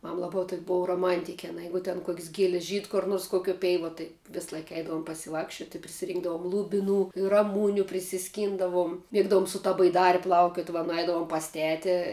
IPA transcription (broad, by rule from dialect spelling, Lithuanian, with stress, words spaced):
ˈmɐm ˈlˠɑːbɐ toːkʲ ˈboːʋɐ roːˈmɐnʲtʲɪkʲɪ ɐˈnɐ ˈjɛɪɡʊ tʲɛn kuɔkʲsʲ ɡʲiɛlʲsʲ ʒʲiːt kʊr ˈnoːrs koːˈkʲuɔ ˈpʲɛɪʋuɔ tɐɪ ˈʋʲɪs ˈlˠɐɪk ˈɛɪdɐʋoːm pɐsʲɪˈʋɑːkʃʲt͡ʃʲoːtʲ ɪ pʲrʲɪsʲɪˈrʲiːŋɡdɐʋoːm lˠʊbʲɪˈnuː ɪr rɐˈmuːnʲʊ pʲrʲɪsʲɪˈsʲkʲiːndɐʋʊm ˈmʲeːɡdɐʋʊm sʊ ˈtɐ bɐɪˈdɑːrʲɪ ˈplˠɐʊkʲoːt ʋɐ nʊˈɛɪdɐʋoːm pɐs ˈtʲæːtʲɪ